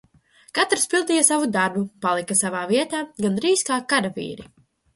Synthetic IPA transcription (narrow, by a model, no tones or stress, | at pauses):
kat̪ɾspilˠd̪ijasavud̪aɾbupalˠikasavaːviɛt̪aːɡand̪ɾiːskaːkaɾavḭːɾi